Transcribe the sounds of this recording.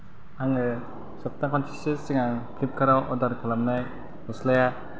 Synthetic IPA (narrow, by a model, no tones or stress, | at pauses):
aŋɯ | sɔp̚takʰɔnsʰisesiŋaŋpʰlip̚kʰaɾawʔɔdaɾkʰalamnaj | ɔslaja